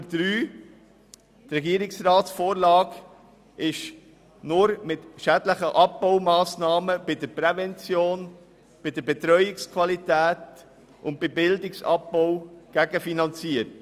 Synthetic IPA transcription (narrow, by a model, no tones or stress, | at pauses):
əd̥̪ɾyː | tɾɛɡiəɾɪksrɑːtsfoːɾlɑːɡ | ɪʃ | nʊɾmɪtʃædləχəʔɑp̚b̥ɔʊmɑːsnɑːməb̥ɪdəɾpɾɛvɛnt͡sjoːn | b̥ɪdəɾbɛt̪ɾœʏɪkskʰvɑlitæːt | ʔʊnt̚bɪbɪldɪksɑ̰p̚bɔwɡ̥æɡəfinɑnt͡siəɾt